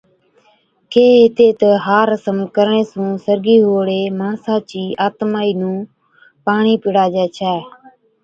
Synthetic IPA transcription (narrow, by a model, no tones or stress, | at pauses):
keːɦɪt̪eːt̪əɦaːɾəsəmkəɾɳeːsũːsəɾɡiːɦoːɽeːmãːsaːt͡ʃiːʔaːt̪maːiːnũː | paːɳiːpɪɽaːd͡ʒɛːt͡ʃʰɛː